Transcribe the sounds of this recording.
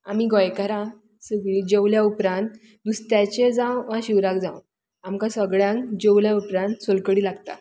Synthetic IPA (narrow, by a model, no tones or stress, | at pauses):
amiːɡɔjkəɾã | səɡɭiːd͡ʑewljaupɾãnt̪ | d̪ust̪jat͡ɕed͡zãwʋãɕiʋɾakd͡zã̰w | amkasəɡɭjãŋkd͡ʑewljaupɾãnt̪solkəɽiːlaɡt̪a̰